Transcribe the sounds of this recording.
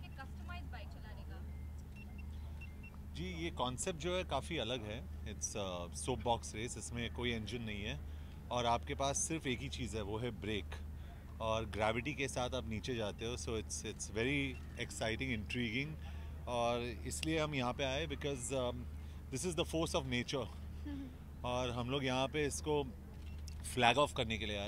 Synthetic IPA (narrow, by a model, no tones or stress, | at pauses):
ekɐsʈəmaɪzbaɪt͡ʃɐlaːɾeːɡaː | d͡ʒiːjeːkɔ̃ːnsɛp̚ʈ̚d͡ʒoːɦɛkaːfiɐləɡɦɛ | ɪʈsəsoːp̚bɔːksɾeːsɪsmẽkoːiɛ̃nd͡ʒɪ̃nːɐɦĩɦɛ | ɔːɾaːpkepaːsːɪɾfeːkit͡ʃiːzɦɛʋoːɦɛbɾeːk | ɔːɾɡɾæːʋɪʈikesaːt̪ʰaːpniːt͡ʃed͡ʒaːt̪eɦẽsoːɪʈsɪʈsʋɛɾi | ɛksaɪʈɪ̃ŋɡɪ̃ɳʈɾiːɡɪ̃ŋ | ɔːɾɪslieɦɐmjɐɦãpeaːebɪkɔz | d̪ɪsɪzd̪əfoːɾsɔʋneːt͡ʃəɾ | ɔːɾɦɐ̃mloːɡjɐɦãpeɪsko | flæːɡɔːfkɐɾnekelieaː